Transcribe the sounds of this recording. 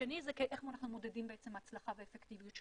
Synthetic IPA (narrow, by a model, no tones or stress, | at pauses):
enizekeʔeχmoanaχnumod̪edimbeet͡semat͡slaχaveefekt̪ivijutʃ